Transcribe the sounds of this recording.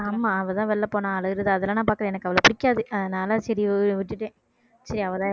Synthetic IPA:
aːmaːɐʋɐt̪ãːʋɛɭːɐpːoːnãːɐlɐɾɐðɯɐðɛlːãːnãːpaːɾkɯɾẽɛnɐkːɯɐʋɐɭopʊɽɪkːaːðɯɐðɐnaːlɐsɐɾiʋɪʈːɯʈːẽː | sɐɾiɐʋɐt̪ãː

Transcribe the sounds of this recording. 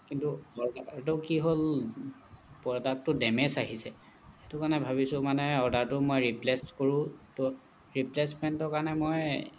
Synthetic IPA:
kintuɔɹdatokiɦol | pɔɹdak̚tʊdɛmesaɦisɛ | etʊkaɹnɛbʱabisʊ̃manɛɔɹdaɹtʊmojɹipleskoɹʊ̃tɔ | ɹiplesmɛntɔɹkaɹɔnɛmoj

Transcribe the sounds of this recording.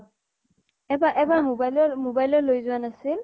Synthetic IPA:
ɛbaʔɛbaɹmobajlɔmobajlɔlːojzʊwanasil

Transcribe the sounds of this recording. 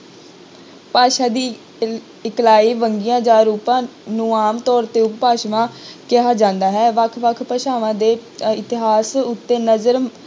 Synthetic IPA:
paːʃaːd̪iː | ɪklaːiːʋəŋɡɪjãːd͡ʒaːɾuːpãːnũːaːmt̪ɔːɾt̪eːʊppaːʃʋãːkɪɦaːd͡ʒãːnd̪aːɦɛːʋəkʰʋəkʰpəʃaːʋãːd̪eːɪt̪ɪɦaːsʊt̪ːeːnəzəɾ

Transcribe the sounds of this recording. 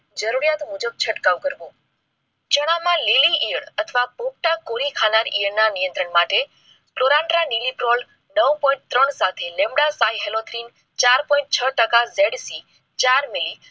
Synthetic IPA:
d͡ʒəɾuɾijat̪ɦũd͡ʒəb̚t͡ʃʰəʈkaʋkəɾʋõ | t͡ʃəɽ̃amãliliʔəɽət̪ʰəʋapop̚ʈakoɾikʰanaɾḭəɽnanijə̃nt̪ɾəɳmaʈe | skloɾãɳʈɾanilipɾol | nəʋpɔ̃ĩɳʈ̚t̪ɾəɳsat̪ʰelẽmbɽasaiɦelot̪ʰɾin | t͡ʃaɾpɔĩɳʈ̚t͡ʃʰəʈəkazeɽsi | t͡ʃaɾmili

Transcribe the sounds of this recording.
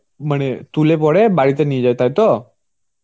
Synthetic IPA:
m̤əɽ̃et̪ulepɔɽebaɽit̪ənid͡ʑajt̪ajt̪o

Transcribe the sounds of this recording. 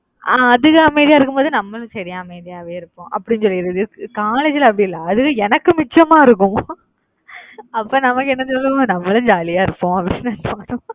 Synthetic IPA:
ʔaːɐðɯɣɐɐmeɪðɪjaːɪɾɯkːɯmpoːðɯnɐmːɐlʊ̃sɐɾɪjaːɐmeɪðɪjaːʋeːɪɾɯkːʊ̃ʔɐ̰pːɐɽɪnːsɔlːiɾɯðɯkaːleːd͡ʒɪlɐpːɐɽiɪlːɐɐðɯɣɯɛnɐkːɯmɪt͡ʃːɐmaːɪɾɯk̬ːʊ̃ | ɐpːoːnɐmɐkːɛnːɐnsɔlːɯʋɐ̃nɐmːɐlɯ̃d͡ʒaːlɪjaːɪɾɯpːõːɐpːɐɽinːɯnɯpaːɽʊ̃

